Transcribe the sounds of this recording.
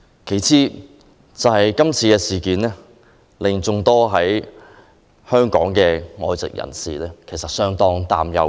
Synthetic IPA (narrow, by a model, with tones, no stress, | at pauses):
kʰe˨˩jt͡sʰiː˧ | t͡sɐ˨whɐ˨jkɐ˥mt͡sʰiː˧kɛː˧siː˨kiː˨˥nɛː˥ | lɪ˨ŋt͡sʊ˨˧ŋt̪ɔː˥ɦɐ˨˥j | hœː˥ŋkɔ̰ː˨˥ŋkɛː˧ŋɔː˨˧jt͡sɪ̰˨k̚jɐ̰˨˩nsḭː˨lɛː˥kʰe˨˩jsɐ˨t̚sœː˥ŋt̪ɔː˥ŋt̪a̰ː˨mjɐ̰˨˧w